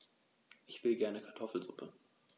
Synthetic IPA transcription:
ʔɪçv̥ɪlɡɛɐnəkʰaɐtʰɔfl̩zʊpʰə

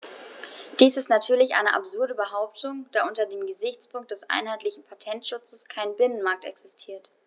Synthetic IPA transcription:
d̥iːsɪstnatʰyːɐlɪçʔa̰ɪnəʔa̰pz̥ʊɐdəbəɦaʊp̚tʰʊŋd̥aːʔʊntɐdeːmɡəzɪçt͡spʰʊŋk̚t̚d̥ɛsʔa̰ɪnɦaɪtlɪçn̩pʰatʰɛntʃʊt͡səskʰaɪnbɪnənmaɐk̚tɛ̰ksɪstʰiːɐt

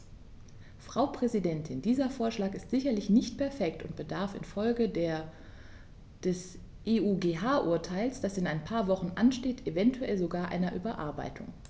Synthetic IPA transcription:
fʁ̥aʊpʁ̥ɛzidɛntʰɪndiːzɐfoːɐʃlaːkɪstz̥ɪçɐlɪçnɪçt̚pʰɛɐfɛktʊntb̥ədaɐfɪ̰nfɔlɡəd | d̥ɛs | ʔeːʔuːɡeːɦaːʔʊɐtʰaɪlsd̥asɪnaɪnpʰaːɐvɔχn̩ʔanʃteːtevɛntʰuɛlzoɡaːɐʔa̰ɪnɐʔyːbɐʔa̰ɐba̰ɪtʰʊ̰ŋ

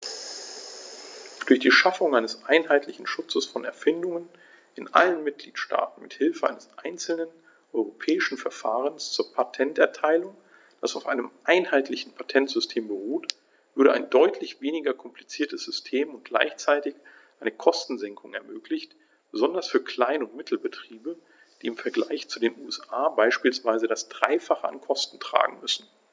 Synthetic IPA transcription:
d̥ʊɐçd̥iːʃafʊŋʔaɪnəsʔaɪnɦaɪtʰlɪçn̩ʃʊt͡səsfɔnɛɐfɪndʊŋən | ɪnʔa̰lənmɪt̚ɡ̥liːtʃta̰ːtn̩mɪthɪlfəʔa̰ɪnəsʔaɪnt͡sl̩nən | ʔɔʏʁopʰɛːɪʃn̩fɛɐfa̰ːʁ̞ənst͡suːɐpʰatʰɛntɛɐtʰaɪlʊŋ | d̥asaʊfʔaɪnəmʔaɪnhaɪtlɪçn̩pʰatʰɛntz̥ʏstʰeːmbəʁuːt | v̥ʏɐɾəʔaɪndɔʏtʰlɪçv̥eːnɪɡɐkʰɔmplit͡siːɐtəsz̥ʏstʰeːmʊnt̚ɡ̥la̰ɪçt͡saɪtɪç | ʔaɪnəkʰɔstn̩zɛŋkʰʊŋɛ̰ɐmøːklɪçt | b̥əzɔndɐsfyːɐkʰl̥aɪnʊntmɪtʰl̩bətʁ̥iːbə | d̥iːɪmfɛɐɡla̰ɪçt͡sudeːnuːɛsʔaːbaɪʃpiːlsv̥aɪzədasd̥ʁaɪfaχəa̰nkʰɔstn̩tʁ̥a̰ːɡŋ̩mʏsn̩

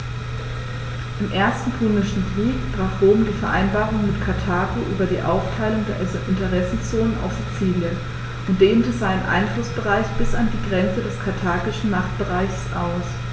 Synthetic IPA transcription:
ʔɪmʔeːɐstn̩pʰʊnɪʃn̩kʁ̥iːkb̥ʁaːχʁoːmdiːfɛɐʔaɪnbaːʁʊŋmɪtkʰaɐtʰaːɡoʔyːbɐdiːʔa̰ʊftʰaɪlʊŋdeːɐʔɪntəʁɛsn̩t͡soːnənʔa̰ʊfz̥it͡siːljən | ʔʊnt̚d̥eːmtəzaɪnənʔa̰ɪnflʊsb̥əʁaɪçb̥ɪsandiːɡʁɛnt͡sədɛskʰaɐtʰaːɡɪʃn̩maχt̚b̥əʁaɪçsʔa̰ʊs

